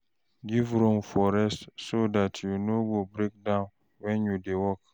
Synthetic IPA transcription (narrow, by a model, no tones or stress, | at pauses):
ɡivɾõmfɔɾɛstsodatʰjunoɡobɾek̚dãʊ̃n | wɛ̃njudewɔk